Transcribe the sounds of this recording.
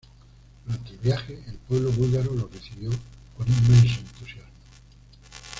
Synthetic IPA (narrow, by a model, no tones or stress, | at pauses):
d̪uɾant̪elβjaxeelpwe̞β̞loβulɣaɾolo̞reθiβjo̞konimmẽnsẽnt̪usjazmo